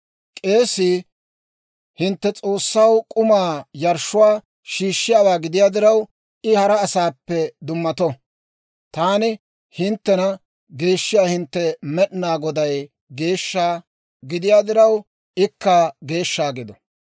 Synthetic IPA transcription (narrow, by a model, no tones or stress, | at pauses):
kʼe̞ːsɪ | hɪnt̪ːɛt͡sʼo̞ːsːɐwkʼʊmaːjɐɾʃːʊwaː | ʃiːʃːɪjaːwaːɡɪd̪ɪjaːd̪ɪɾɐw | ɪhɐɾɐːsaːpːɛd̪ʊmːɐt̪ɔ | t̪aːnɪ | hɪnt̪ːɛnɐ | ɡe̞ːʃːɪjaːhɪnt̪ːɛmɛɗnaːɡɔd̪ɐj | ɡe̞ːʃːaː | ɡɪd̪ɪjaːd̪ɪɾɐw | ɪkːaɡe̞ːʃːaːɡɪd̪ɔ